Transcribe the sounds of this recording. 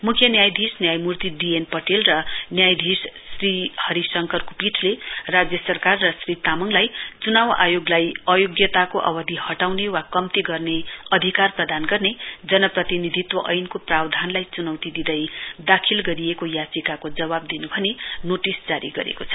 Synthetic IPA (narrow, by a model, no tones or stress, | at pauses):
mukʰjʌnjajd̪ʱisnjajmurt̪iɖienpʌʈelrʌnjajd̪ʱissrihʌɾisʌŋkʌrkopiʈʰlerad͡zjʌsʌrkarːʌsrit̪amʌŋlajt͡sunawa̰joɡlajʌjoɡjʌt̪akoʔʌ̰bʌd̪ʱihʌʈawnewakʌmt̪iɡʌrneʌd̪ʱikarprʌd̪anɡʌrned͡zʌnʌprʌt̪inid̪ʱit̪wʌʔʌjnkoprawd̪ʱanlajt͡sunʌwt̪id̪id̪ʌjd̪akʰilɡʌɾiekojat͡sikakod͡zʌbab̚d̪inubʱʌnenoʈisd͡zaɾḭɡʌ̰ɾḛkot͡sʰʌ̥